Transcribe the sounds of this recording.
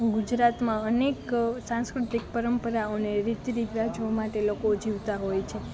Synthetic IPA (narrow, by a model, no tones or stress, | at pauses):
ɡud͡ʒɾat̪mãəneksãŋskɾut̪ik̚pəɾəmpəɾaoneɾit̪ɾibɾad͡ʒomaʈelokod͡ʒiʋt̪aɦojt͡ʃʰe